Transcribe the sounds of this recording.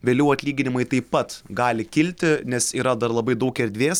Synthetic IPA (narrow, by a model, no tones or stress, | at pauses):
ʋʲeːlʲɛʊɐtʲlʲiːɡʲɪnʲɪmɐɪt̪ɐɪpɐt̪ɡɑːlʲɪkʲɪlʲt̪ʲɪnʲɛsiːɾɐd̪ɐɾlˠɐbɐɪd̪ɐʊkɛɾʲd̪ʲʋʲeːs